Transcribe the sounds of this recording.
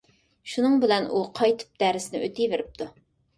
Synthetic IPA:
ʃunɨŋbɪlɛnʔuqʰɑjt̪ʰɨ̥p̚d̪̥æɾɪsnɪ̰ʔøt̪ʰijveɾɪp̚t̪ʰu

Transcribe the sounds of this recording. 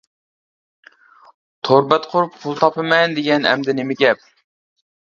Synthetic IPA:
t̪ʰoɾbɛt̪qʰʊɾup̚pʰulˠt̪ʰɑpɨmɛnd̪eɡʲɛnɛ̰md̪ɪnɪmɪkʲɛp̚

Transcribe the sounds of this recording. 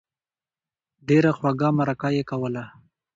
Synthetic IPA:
ɖeɾaxwaɡamaɾakajekawəla

